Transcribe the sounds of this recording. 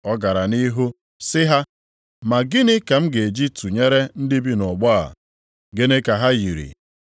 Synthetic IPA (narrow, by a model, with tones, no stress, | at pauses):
ɔ˦ɡa˨ɾa˨ni˦ɦu˦ | sɪ˦ɦa˦ | ma˨ɡɪ˦nɪ˦ka˨m̩˦ɡe˨e˨d͡ʒi˦tu˨ɲe˦ɾe˦n̩˦dɪ˦bi˦nɔ˨ɡ͡ba˦a̰˨ | ɡe˦ne˦ka˨ɦa˦ji˨ɾḭ˨